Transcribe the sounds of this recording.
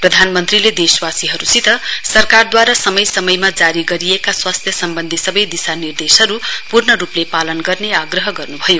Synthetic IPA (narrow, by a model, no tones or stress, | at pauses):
prʌd̪ʱanmʌnt̪riled̪eswasiɦʌɾusit̪ʌsʌrkard̪waɾasʌmʌjsʌmʌjmad͡zaɾiɡʌɾiekaswast̪ʰjʌsʌmbʌnd̪ʱisʌbʌjd̪isanird̪esɦʌɾupurnʌɾuplepalʌnɡʌrneaɡrʌɦʌɡʌrnubʱʌjo